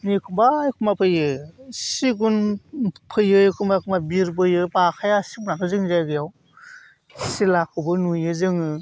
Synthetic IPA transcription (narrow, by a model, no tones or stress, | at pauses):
nikʰumbaːjkʰumbapʰɯjɯsiɡunpʰɯjɯjɯkʰumbakʰumabiɾbɯjɯpakʰajasibunanɔzɯŋzaɡɯjaw | silakʰɯbɯnujɯzɯŋɯ